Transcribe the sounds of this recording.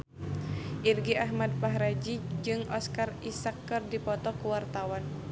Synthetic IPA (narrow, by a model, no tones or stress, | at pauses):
ʔirɡiaɦmad̚paɦɾad͡ʒid͡ʒɨŋʔɔskarisakːɨrdipɔt̪ɔkuwart̪awan